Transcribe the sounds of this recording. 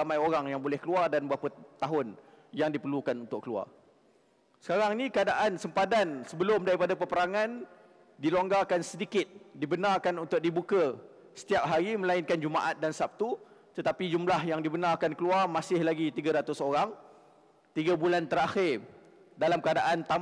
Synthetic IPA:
amajoɾaŋjaŋbolɛhkəluardanbapət̪aɦʊn | jaŋdipərlukanunt̪ʊkːəlua̰r | sə̥kaɾaŋnikəadaʔansəmpadansəbəlʊmdaɾipadapəpəɾaŋan | diloŋɡakansədikɪt̪̚dibənarkanunt̪ʊk̚dibukə | sə̥t̪iap̚ɦaɾimə̃laɪnkand͡ʒuma̰ʔat̪̚dansap̚t̪ut̪ət̪apid͡ʒumlahjaŋdibənarkankəluarmasɪhlaɡit̪iɡəɾat̪ʊsoɾaŋ | t̪iɡəbulant̪əɾaxɪr | dalamkəadaʔant̪a

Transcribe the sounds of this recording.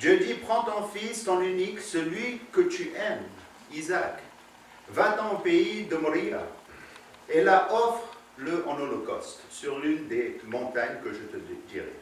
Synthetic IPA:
d̪jød̪ipχɑ̃t̪ɔ̃fist̪ɔ̃nyniksəlɥikət̪yʔɛm | izak | vad̪ɑ̃peid̪əmɔʁia̰ | elaʔɔfχ | ləʔɑ̃nolɔkɔ̰st̪syʁlynd̪emɔ̃t̪aɲkəʒət̪əd̪t̪ḭʁḛ

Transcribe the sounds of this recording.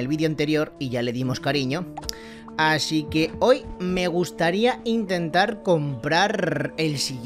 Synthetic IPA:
elβiðjoant̪e̞ɾjo̞ɾiʝale̞ðimo̞skaɾiɲo̞ | asike̞o̞jme̞ɣ̞ust̪aɾiaint̪e̞nt̪aɾko̞mpɾaɾe̞lsiɣ

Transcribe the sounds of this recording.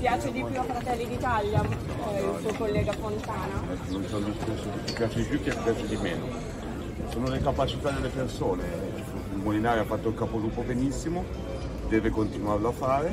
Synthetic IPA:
pjaːt͡ʃed̪ipjuafɾat̪ɛlːid̪it̪alja | ilsuokolːɛːɡafont̪aːnaɛkːononsond̪ust̪esod̪it̪ːipjaːt͡ʃed̪ipjuk̪ːet̪ipjaːt͡ʃed̪imeːno | soːnolekapat͡ʃit̪ad̪elːepersoːne | ilmolinaːɾjafːat̪ːoilkapoluːpobenisːimo | d̪ɛːvekont̪inwarloafːaːɾe

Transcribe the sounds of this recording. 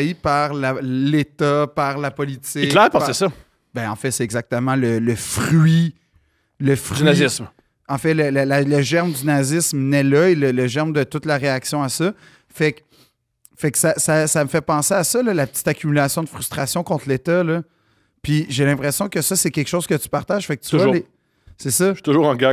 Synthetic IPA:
ipaʁlalet̪ʌpaʁlapɔlit͡sɪklɛːpapsɛsʌ | bɛ̃ɑ̃fɛsɛɛɡzak̚t̪əmɑ̃lələfʁɥi | ləfnazɪsm | ɑ̃fɛləlalaləʒɛʁmd̪ynazɪsmnɛlʌelələʒɛʁmd̪ət̪ʊt̪laʁeaksjɔ̃asʌ | fɛk | fɛksasasaməfɛpɑ̃seasʌlʌlapə̥t͡si̥t̪akʲymylasjɔ̃d̪əfʁyst̪χasjɔ̃kɔ̃t̪let̪ʌlʌ | piʒelɛ̃pχesjɔ̃kəsʌsɛkʲɛlkʃowz̥kət̪y̥paʁt̪aʒ̥fɛk̚t̪yval | sɛsʌʃy̥t̪uʒuːʁɑ̃ɡa

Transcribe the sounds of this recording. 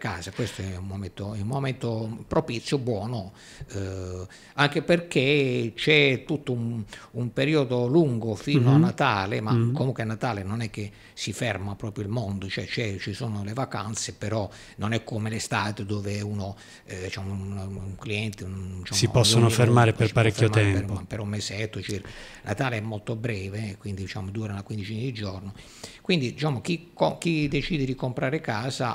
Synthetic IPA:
kaːzakwest̪oɛummoment̪oɛumːoment̪opɾopit̪sːjobwɔːno | aŋkeperket͡ʃɛt̪ut̪ːoumumpeɾiːod̪oluŋɡofiːnoanːat̪aːlemakːomuŋkweanːat̪aːlenonɛk̟ːe | sːifɛrmapɾɔːpɾjoilmond̪ot͡ʃoɛt͡ʃɛt͡ʃisoːnolevaka̰nt̪sepeɾɔ | nonɛkːomelest̪aːt̪ed̪oːveuno | d̪it͡ʃaːmonuŋkliɛnt̪eit͡ʃaːsipɔsːonofeɾmaːɾepersipaɾɛkfjomt̪ɛmɛrpmapeɾɔmːesɛt̪ːot͡ʃirkanat̪aːleɛmːolt̪obɾɛːvekwind̪id̪it͡ʃa̰ːmod̪uːɾanakwind̪it͡ʃiːnid̪id͡ʒɔrno | kwind̪id̪it͡ʃaːmok̟ikok̟id̪et͡ʃiːd̪ed̪ikompɾaːɾekaːza

